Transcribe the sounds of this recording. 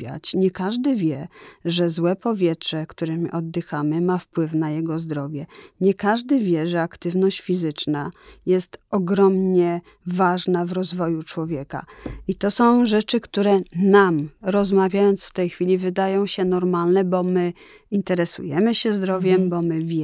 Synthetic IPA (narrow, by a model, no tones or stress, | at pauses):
a̰t͡ɕɲɛkaʐd̪ɘvʲjɛʐɛzwɛpɔvʲjɛtʂɛkt̪uɾɛmʲiʔɔd̪ːɘxamɘmafpwɘfnajɛɡɔzd̪ɾɔvʲjɛɲɛkaʐd̪ɘvʲjɛʐɛakt̪ɘvnɔɕt͡ɕfʲizɘt͡ʂnajɛst̪ɔɡɾɔmɲɛ | vaʐnavɾɔzvɔjut͡ʂwɔvʲjɛka̰it̪ɔsɔ̃w̃ʐɛt͡ʂɘkt̪uɾɛnamɾɔzmavʲjajɔnt̪sft̪ɛjxfʲilʲivɘd̪ajɔ̃w̃ɕɛnɔɾmalnɛbɔmɘ | int̪ɛɾɛsṵjɛmɘɕɛzd̪ɾɔvʲjɛmbɔmɘvʲjɛ